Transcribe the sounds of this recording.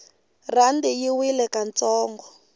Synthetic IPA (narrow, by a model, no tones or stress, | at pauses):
randijiwilɛkant͡sɔːŋɡɔ